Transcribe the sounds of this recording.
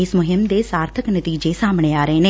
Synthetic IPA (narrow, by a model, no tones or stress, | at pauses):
ɪsmʊɦɪmd̪eːsaːɾt̪ʰəknət̪iːd͡ʒesaːmɳ̃eːaːɾəeneː